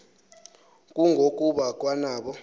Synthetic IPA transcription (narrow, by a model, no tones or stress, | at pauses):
kʼuŋɡʱokʼuɓak̬ʼwanaːɓɔ